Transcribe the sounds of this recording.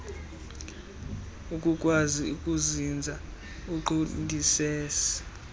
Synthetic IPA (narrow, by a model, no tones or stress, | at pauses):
ukʼukʼwaziukʼuzind͡zʱa | uǃindʱisɛːsi̥